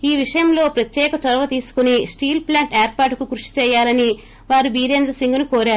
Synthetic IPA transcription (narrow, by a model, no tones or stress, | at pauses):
iːʋiʂɐjɐmlo̞ːpɾɐt̪jɛːkɐt͡ʃɔɾɐʋɐt̪iːsu̥kunisʈiːlplaːɳʈeːɾpaːɾʈukukɾuʂi̥t͡ʃɛːjaːlɐni | ʋaːɾubiːɾeːnd̪ɾɐsiŋɡunukoːɾaːɾu